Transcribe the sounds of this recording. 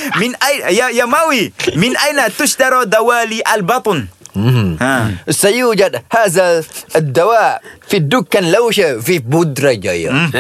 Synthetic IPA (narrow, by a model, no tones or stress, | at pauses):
mɪnʔajjajamawimɪnʔajnat̪ʊʃd̪ɑɾˤad̪awaːliʔalbɑt̪ˤnː | hasajuːd͡ʒad̪haːzad̪ːawaːfid̪ːʊkːanlawʃafibʊd̪ɾˤad͡ʒa̰ja̰